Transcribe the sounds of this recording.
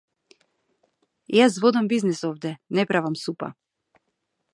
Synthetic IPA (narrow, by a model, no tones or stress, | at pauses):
jasvɔd̪ambiznisɔvd̪ɛnɛpɾavamsupa̰